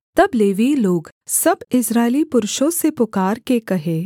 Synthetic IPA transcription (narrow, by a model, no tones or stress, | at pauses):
t̪ɐbleːʋiloːɡsɐbɪsɾaːɪlipʊɾʊʃõsepʊkaːɾkekɐɦẽː